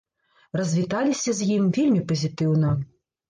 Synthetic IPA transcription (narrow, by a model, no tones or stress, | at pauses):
rɐzʲvʲit̪alʲisʲɐzʲjimvʲelʲmʲipɐzʲit̪ɨwnɐ